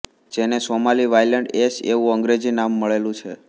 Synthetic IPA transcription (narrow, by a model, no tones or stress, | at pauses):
d͡ʒenesomaliʋajləɳɖesḛʋũəŋɡɾed͡ʒinamːəɭelũt͡ʃʰe